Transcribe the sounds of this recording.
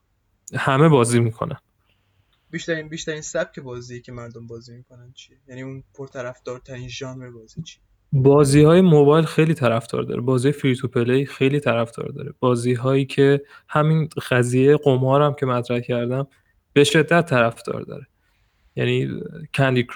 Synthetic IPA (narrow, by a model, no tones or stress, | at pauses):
hæme̞bɒːziːmiːkʰo̰næn | biʃt̪æɾinbiʃt̪æɾiːnsæb̥̚cʰe̞bɒːzijecʰemæɾd̪ombɒːzimikʰonænt͡ʃʰijejæniunpʰoɾt̪ʰæɾæfd̪ɒːɾt̪ʰæɾinʒɒːnvebɒːzit͡ʃʰi | bɒːziːhɒːjemobɒːjlxejliːt̪ʰæɾæfd̪̥ɒ̰ːɾd̪ɒ̰ɾʔebɒːzijɒjefiɾit̪ʰupʰe̞leixe̞jliːt̪ʰæɾæfd̪ɒ̰ːɾd̪ɒ̰ːɾeb̥ɒːziːɦɒːjiːcʰe̞ | hæminxæziːjejɢomɒːɾæmcʰe̞mæt̪ʰɾæhcʰæɾd̪æm | b̥e̞ʃe̞d̪ːæt̪ʰːæɾæfd̪ɒ̰ːɾd̪ɒ̰ːɾe | jæ̰niːcʰænd̪ik